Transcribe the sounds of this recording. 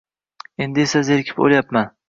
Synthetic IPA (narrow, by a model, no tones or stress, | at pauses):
e̞nd̪ɪesazeɾkʲʰɪ̥po̰ljapman